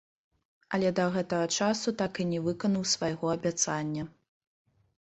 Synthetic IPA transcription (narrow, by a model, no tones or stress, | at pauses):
ɐlʲɛd̪ɐɣɛt̪ɐɣɐt͡ʂasut̪akinʲɛvɨkɐnɐwsvajɣɔɐbʲat̪sanʲːɐ